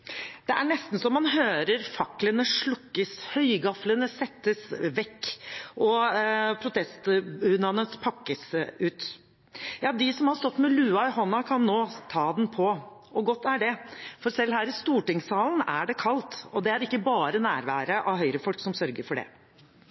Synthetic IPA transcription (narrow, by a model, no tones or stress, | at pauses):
d̪̥ɛʔæɳɛst̪n̩sɔmːɑnɦøːɾəɾfɑklənəʂɭʊkːəshœʏɡɑflənəsɛt̪ːəsʋɛkːʔɔpʰɾʊt̪ʰɛst̪hʉnɑnəpʰɑkːəsʉːt̪ | jɑːd̪ɪsɔmhɑɾst̪ɔt̪ːmɛlʉːɑɪɦɔnːɑkʰɑnːoːt̪ʰɑːd̪ɛnpʰɔ | ʔɔɡɔt̪ːæɖɛfɔɾsɛlɦæːɾɪst̪uːʈɪŋsɑːlnæ̰ɖɛkʰɑlt̪ɔd̪ɛæɾɪkːəbɑːɾənæːɾʋæ̰ːɾəʔɑʋɦœʏɾəfɔlksɔmsœɾɡəɾfɔɖɛ̰